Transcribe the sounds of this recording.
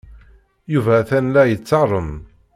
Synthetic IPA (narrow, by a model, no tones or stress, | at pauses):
juvæθænlæjət͡sːɑrˤən